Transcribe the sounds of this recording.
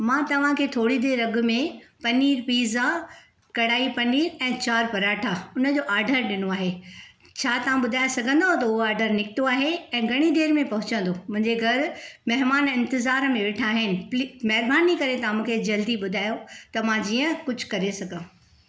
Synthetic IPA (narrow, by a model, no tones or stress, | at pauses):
mãːt̪ɐʋ̤ãkʰeːt̪ʰoːɽid̪eːɾːɐɡʊ̆mẽpɐniːɾpiːza | kɐɽaːipɐniːɾɛ̃ːt͡ɕaːɾpɐɾaːʈʰaʊnə̆d͡ʑoːʔaːɾɖʱəɾɗɪnoaːɦe | t͡ɕʰaːt̪ɐʋ̤ãɓʊd̪ʱaːjsɐɡʱə̃nd̪ot̪ɐʊɦoaːɾɖʱəɾnɪkʰɪt̪oaːɦeɛ̃ːɡʱɐɽ̃id̪eːɾmẽpɐɦʊ̃t͡ɕə̃nd̪omʊ̃ɦɪ̃ɲd͡ʑeɡʱɐɾmɐɦmaːnɪ̃nt̪ɪzaːɾmẽʋeːʈʰaːɦɪnɪ̆pːmɐɦɪɾbaːnikɐɾet̪ɐãmũːkʰed͡ʑɐld̪iɓʊd̪ʱaːjot̪ɐmãd͡ʑiːə̃kʊd͡ʑʱʊ̥kɐɾesɐɡʱə̃